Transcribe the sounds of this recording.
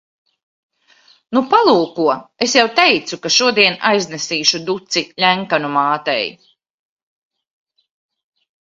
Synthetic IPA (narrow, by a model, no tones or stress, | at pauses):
nupalˠuːkuɔesjawt̪ɛjt̪sukaʃuɔd̪iɛnajznɛsiːʃud̪ut̪silʲæŋkanumaːt̪ɛ̰j